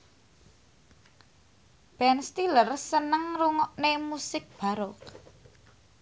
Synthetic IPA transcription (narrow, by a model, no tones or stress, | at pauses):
b̥ɛnst̪ilərsənəŋruŋɔʔnemusɪk̚b̥a̤ɾɔk